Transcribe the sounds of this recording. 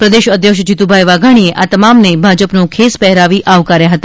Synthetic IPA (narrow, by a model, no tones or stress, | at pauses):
pɾəd̪eʃəd̪ʱjəkʃd͡ʒit̪ubʱajʋaɡʱaɽ̃ieʔat̪əmamnebʱad͡ʒəpnokʰespɛɦɾaʋiʔaʋkaɾjaɦət̪a